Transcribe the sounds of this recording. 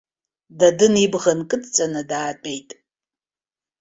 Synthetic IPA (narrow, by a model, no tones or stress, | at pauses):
dɐdɨnibʁɐnkʼɨtʰt͡sʼɐnɐdaːtʷʼejtʼ